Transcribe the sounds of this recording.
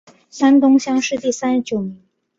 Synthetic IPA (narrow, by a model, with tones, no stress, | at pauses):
sa˥nt̪ʊ˥ŋɕjɑ˥ŋʂɻ̩˥˧t̪i˥˩sa˥n˧t͡ɕjo˨˩ʊmi˧˦˥ŋ